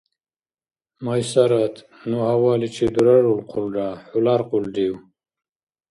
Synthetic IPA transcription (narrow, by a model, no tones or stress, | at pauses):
majsaɾat̪ | nuhawaːlit͡ʃid̪uɾaɾulqʰulɖaħulaɾquldiw